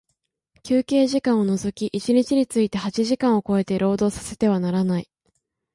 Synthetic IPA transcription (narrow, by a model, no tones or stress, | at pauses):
kʲɨːke̞ːʑikãɰ̃o̞no̞zo̞kʲiʔit͡ɕiɲ̟it͡ɕiɲ̟it͡sɨit̪e̞hat͡ɕiʑikãɰ̃o̞ko̞e̞t̪e̞ɾo̞ːd̪o̞ːsḁse̞t̪e̞β̞anaɾanai